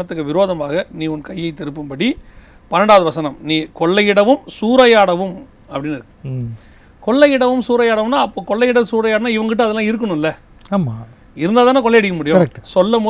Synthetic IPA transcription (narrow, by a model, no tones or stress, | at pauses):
ɐt̪ːɯkːɯʋɪɾoːðɐmaːɣɐniːɔnkɐjːɐɪt̪ːɪɾɯpːɯmpɐɽi | pɐnɐɽaːʋɐðɯʋɐsɐnɐmniːkɔɭːɐjɪɽɐʋɯmsuːɾɐjaːɽɐʋɯm | ɐpːɐɽɪnːɪɾɯkːɯ | kɔɭːɐjɪɽɐʋɯmsuːɾɐjaːɽɐʋɯmnːaːɐpːoːkɔɭːɐɪjɪɽɐsuːɾɐjaːɽɐnaːɪʋɐŋɡkɪʈːɯɐðɛlːãːɪɾɯkːɐɳʊ̃ɪlːɐ | aːma | ɪɾɯnd̪aːðaːnak̬ɔlːɐjɐɽɪkːɐmʊɽɪjʊɐ̃ɾɛkʈsɔlːɐmoː